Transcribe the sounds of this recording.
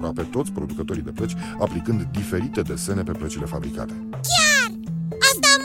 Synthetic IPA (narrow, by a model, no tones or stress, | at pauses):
ɾape̞t̪o̞t̪sʲpɾo̞d̪ukət̪o̞ɾid̪e̞plət͡ʃʲ | aplikɨnd̪ːife̞ɾit̪e̞d̪e̞se̞ne̞pe̞plət͡ʃile̞fabɾika̰t̪e̞ | kʲjarasd̪am